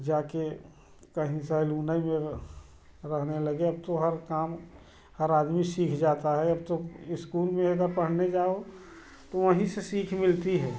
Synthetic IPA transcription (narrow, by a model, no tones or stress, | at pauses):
d͡ʒaːke | kɐɦĩsaɪluːnaimẽ | ɾɐɦnelɐɡeɐb̚t̪oɦəɾkaːm | həɾaːd̪misiːkʰd͡ʒaːt̪aɦɛɐb̚t̪oɪskuːlmẽɐɡəɾpɐɽ̤ned͡ʒaːo | t̪oʋəɦĩsesiːkʰmɪlt̪iɦɛː